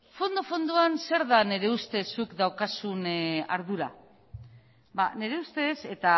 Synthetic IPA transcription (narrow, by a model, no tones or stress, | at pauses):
fo̞nd̪o̞fo̞nd̪uanse̞ɾðane̞ɾe̞ust̪e̞sukd̪awkasuna̰ɾðuɾa̰ | bane̞ɾe̞ust̪e̞se̞t̪a